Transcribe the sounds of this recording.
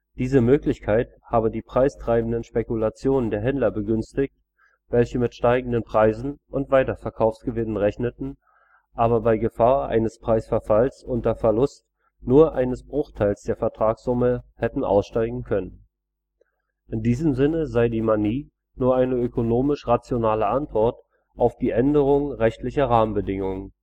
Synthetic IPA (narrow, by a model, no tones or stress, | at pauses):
d̥iːzəmøːklɪçkʰaɪthaːbədiːpʁ̥aɪstʁ̥aɪbn̩dənʃpekulat͡sjoːnəndeːɐɦɛndlɐbəɡʏnstɪçt | vɛlçəmɪtʃtaɪɡŋ̩dənpʁ̥aɪzn̩ʔʊntv̥aɪtɐfɛɐkʰaʊfsɡ̥əvɪnənʁɛçnətn̩ | ʔaːbɐbaɪɡəfaːɐʔa̰ɪnəspʁ̥aɪsfɛɐfalsʔʊntɐfɛɐlʊst | nuːɐʔaɪnəsb̥ʁʊχtʰaɪlsd̥eːɐfɛɐtʁ̥aːksz̥ʊməhɛtn̩ʔa̰ʊsʃtaɪɡŋ̩kʰœnən | ʔɪndiːzəmzɪnəzaɪdiːmaniː | nuːɐʔaɪnəøkonoːmɪʃʁat͡sjonaːləʔantv̥ɔɐt | ʔaʊfd̥iːʔɛndəʁ̞ʊŋəʁɛçtlɪçɐʁaːmənbədɪŋʊŋən